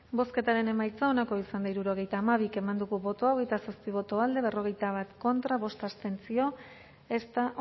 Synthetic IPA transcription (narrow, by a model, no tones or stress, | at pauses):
bo̞ske̞t̪aɾe̞ne̞majt͡sao̞nako̞isand̪aiɾuɾo̞ɣ̞ejt̪aːmaβ̞ike̞mand̪uɣuβo̞t̪o̞aoɣe̞jt̪asospiβ̞o̞t̪o̞ald̪e̞β̞e̞ro̞ɣ̞e̞jt̪aβ̞at̪ko̞nt̪ɾaβo̞st̪ast̪e̞nt͡sio̞ | e̞st̪aʔ